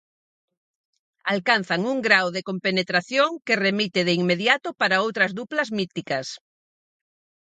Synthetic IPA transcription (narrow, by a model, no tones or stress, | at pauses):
alkan̟θaŋuŋɡɾawðekompenet̪ɾaθjoŋkeremit̪eð̞eiŋmeðjat̪opaɾaowt̪ɾazðuplazmit̪ikas